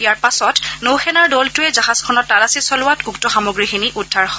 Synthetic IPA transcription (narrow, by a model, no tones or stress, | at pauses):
ijaɹpasɔtnowxʰɛnaɹdɔltʊɛzaɦaskʰɔnɔtːalasisɔlʊwatuktɔxamoɡɹixiniʔudʱːaɹxɔ